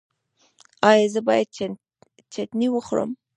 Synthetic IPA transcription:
ɑjɑzəbɑjad̪̚ | t͡ʃat̪niwəxɾə̰m

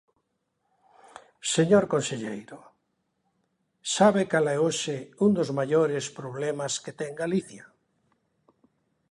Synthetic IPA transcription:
seɲoɾkonseʎejɾo | saβekalaeoʃeund̪ozmaʎoɾespɾoβ̞lemasket̪eŋɡaliθja

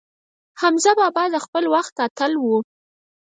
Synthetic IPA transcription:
hamzabɑbɑd̪əxpəlwaxt̪at̪alwu

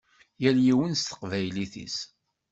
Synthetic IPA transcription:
jæljiwənst̪ə̥qvæjliθḭs

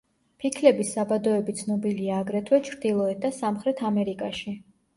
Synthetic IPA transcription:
pʰikʰlɛbisːabad̪ɔɛbit̪sʰnɔbiliaːɡɾɛt̪ʰwɛt͡ʃʰɾd̪ilˠɔɛt̪̚d̪asamχɾɛt̪ʰamɛɾikʼaʃi

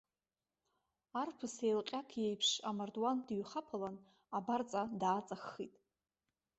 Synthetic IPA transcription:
arpʰɨsejlqʲʼakʰjejpʰʂamardwandɥχapʰalan | abart͡sʼadaːt͡sʼaχːitʼ

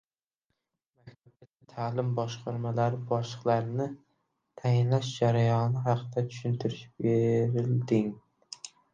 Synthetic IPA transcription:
mak̚ʲt̪ʰapb̚t̪ʰat̪ʰat̪ʰaːlɪmbɒʃqʰɑɾmalaɾɪbɒʃlˠɨqlˠaɾɪnɪ | t̪ʰajɪnlaʃd͡ʒaɾajɒnɪɦɑqʰɨd̪at͡ʃʰy̥ʃynt̪ʰɪɾɪʃbeɾɪld̪ɪŋ

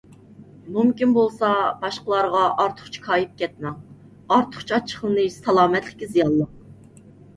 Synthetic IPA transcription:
mumkʲinbolˠsɑbɑʃqəlˠɑɾʁɑʔɑɾt̪ʰʊ̥χt͡ʃʰi̥kʰɑːjip̚kʲʰɛt̪̚mɛŋ | ɑɾt̪ʰʊ̥χt͡ʃʰɑt͡ʃʰːə̥χlˠɨnɨsɑlˠɑːmɛt̪lɪ̥kʲːizijɑlˠːɑq

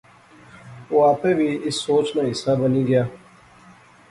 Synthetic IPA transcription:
waːpebiːɪsːoːt͡ʃnaːɪsaːbəniːɡjaː

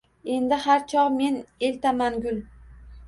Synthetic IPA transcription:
e̞nd̪ɪhaɾt͡ʃʰɒqme̞ne̞lt̪ʰamanɡʲʊlˠ

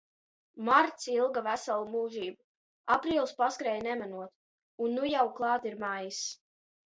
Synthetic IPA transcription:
maɾt̪silˠɡavæsalˠumuːʒiːba | apɾiːlˠspaskɾɛjnɛmænuɔt̪ | unːujawklˠɑːt̪iɾmajis

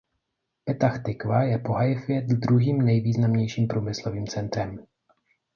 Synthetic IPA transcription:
pɛt̪axt̪ɪkvajɛpoɦajfɪjɛt̪d̪ɾuɦiːmnɛjviːznamɲɛjʃiːmpɾuːmɪsloviːmt͡sɛnt̪ɾɛm

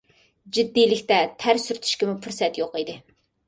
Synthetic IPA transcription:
d͡ʒid̪ːijlɪkʲt̪ɛt̪ʰæɾsyɾt̪ʰy̥ʃkʲɪmʊpʰuɾsɛt̪joqid̪ɪ

